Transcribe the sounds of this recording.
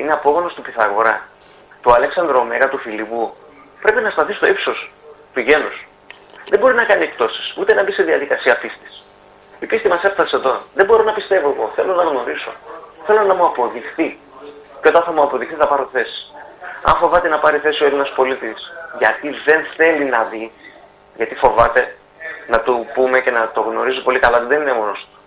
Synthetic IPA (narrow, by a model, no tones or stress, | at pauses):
ineɐpo̞ɣo̞no̞st̪upiθɐɣo̞̰ɾɐ | t̪uɐle̞ksɐnd̪ɾomeɣɐt̪ufilipu | pɾe̞penɐst̪ɐθist̪o̞ipso̞st̪uʝe̞nus | ðembo̞ɾinɐkɐnie̞k̚t̪o̞si̥sut̪e̞nɐbiseðiɐðikɐsiɐpist̪i̥s | ipist̪imɐse̞fθɐseðo̞ðembo̞ɾo̞nɐpist̪e̞vo̞e̞ɣo̞θe̞lo̞nɐɣno̞ɾiso̞̰θe̞lo̞nɐmuɐpo̞ðixθi | ceo̞t̪ɐnθɐmuɐpo̞ðixθiθɐpɐɾot̪θe̞si̥ɐ̰nfo̞vɐt̪enɐpɐɾiθe̞sioelinɐspo̞lit̪isʝɐt̪iðe̞nθe̞linɐði | ʝɐt̪ifo̞vɐt̪e̞ | nɐt̪upumece̞nɐt̪o̞ɣno̞ɾizupo̞likɐlɐot̪iðeninemonost̪u̥